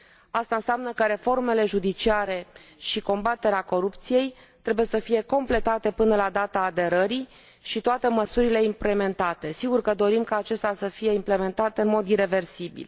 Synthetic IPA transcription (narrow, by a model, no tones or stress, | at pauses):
ast̪aɨnseamnəkəɾe̞fo̞rme̞le̞ʒud̪it͡ʃiaɾe̞ʃiko̞mbat̪e̞ɾeako̞ɾup̚t̪sije̞j | t̪ɾe̞buje̞səfije̞ko̞mple̞t̪at̪e̞pɨnəlad̪at̪aːd̪e̞ɾəɾi | ʃit̪oat̪e̞məsuɾile̞imple̞me̞nt̪at̪e̞siɡurkəd̪o̞ɾimkaːt͡ʃe̞st̪easəfije̞imple̞me̞nt̪at̪eɨnmo̞d̪iɾe̞ve̞rsibḭl